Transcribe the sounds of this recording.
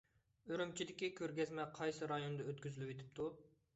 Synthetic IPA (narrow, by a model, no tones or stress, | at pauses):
øɾymt͡ʃʰid̪ɪkʲikʲʰøɾɡʲɛzmɛqʰɑjsɨɾɑjond̪ɑøt̪kʲyzylypet̪ʰɪ̥p̚t̪ʰu